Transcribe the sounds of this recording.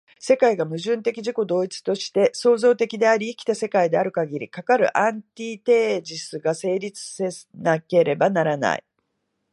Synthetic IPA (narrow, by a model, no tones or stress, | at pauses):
se̞kaiɡamɯ̟ʑɨ̃nt̪e̞kʲiʑiko̞d̪o̞ːit͡sɨ̥t̪o̞ɕi̥t̪e̞so̞ːzo̞ːt̪e̞kʲid̪e̞aɾʲiːkʲi̥t̪ase̞kaid̪e̞aɾɯ̟kaɡʲiɾʲḭkakaɾɯ̟̰ʔãnt̪ʲiːt̪e̞ːd͡ʑisɨɡase̞ːɾʲit͡sɨ̥senake̞ɾe̞banaɾana̰ḭ